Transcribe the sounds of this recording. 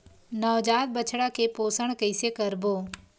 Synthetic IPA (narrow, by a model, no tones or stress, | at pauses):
nəʋd͡ʒaːd̪̚bət͡ʃʰɽakepoːsəɳ̃kəɪsekəɾboː